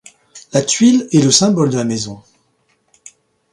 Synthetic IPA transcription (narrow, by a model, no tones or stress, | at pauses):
lat̪ɥilɛləsɛ̃bɔld̪əlamezɔ̃